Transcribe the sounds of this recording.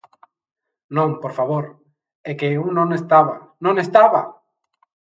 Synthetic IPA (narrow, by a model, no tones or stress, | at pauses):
nõŋpoɾfaβoɾ | ekeunõŋest̪aβanõŋest̪aβa̰